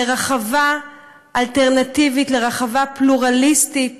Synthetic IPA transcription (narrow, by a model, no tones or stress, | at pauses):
eʁaχava | ʔalteʁnativitleʁaχavapluʁalistit